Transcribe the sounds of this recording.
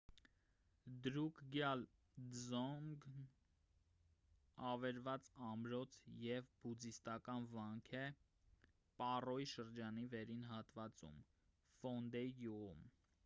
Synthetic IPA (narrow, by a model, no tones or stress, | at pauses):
d̪ɾukʰɡjɑl | zɔŋɡ | ɑvɛɾvɑt͡sɑmɾɔt͡sʰjɛvbud͡zist̪ɑkɑnvɑŋkʰɛ | pɑrɔjiʃəɾd͡ʒɑnivɛɾinɦɑt̪vɑt͡sṵm | fɔnd̪ɛiɡuʁṵm